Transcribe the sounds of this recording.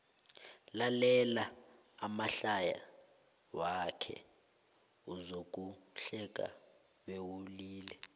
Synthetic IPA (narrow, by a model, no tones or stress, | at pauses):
lalɛlaː | maɬaja̰ | wakʰɛ̰ | uzok̬ʼuɬɛk̬ʼa̰ | ɓewuliːlɛ